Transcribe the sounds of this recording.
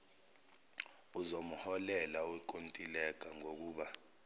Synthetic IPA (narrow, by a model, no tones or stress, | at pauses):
uzomuhɔlɛlauik̬ʼontʼilɛk̬ʼaŋok̬uːɓa